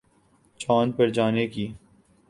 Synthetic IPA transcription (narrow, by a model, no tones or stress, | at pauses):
t͡ʃaːnpɐɾd͡ʒaːnekiː